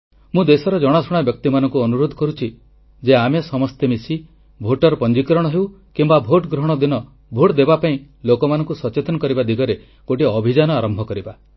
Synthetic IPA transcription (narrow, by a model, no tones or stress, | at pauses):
mũd̪esɔɾɔd͡ʒɔɽ̃asɔɽ̃abjɔk̚t̪imanɔ̃ŋkuɔnuɾod̪ʱɔkɔɾut͡ʃʰi | d͡ʒeamesɔmɔst̪emisi | bʱoʈɔɾɔpɔnd͡ʒikɾɔɽ̃ɔɦew | kimbabʱoʈɡɾɔɦɽ̃ɔd̪inɔ | bʱoʈd̪ebapaĩ | lokɔmanɔ̃ŋkusɔt͡ʃet̪ɔnɔkɔɾibad̪iɡɔɾe | koʈiɔbʱid͡ʒanɔaɾɔmbʱɔkɔɾiba